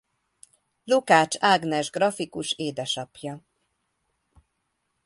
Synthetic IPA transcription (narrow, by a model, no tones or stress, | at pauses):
lukaːt͡ʃaːɡnɛʒɡrɒfikuʃeːd̪ɛʃɒpjɒ